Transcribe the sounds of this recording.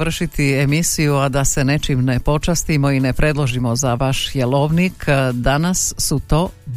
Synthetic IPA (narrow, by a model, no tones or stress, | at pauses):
r̩ʃit̪iemisijuad̪ase̞ne̞t͡ʃimnepo̞t͡ʃast̪imo̞ine̞pɾe̞d̪lˠo̞ʒimo̞zaʋaʃjelˠoʋnikd̪anasːut̪o̞ː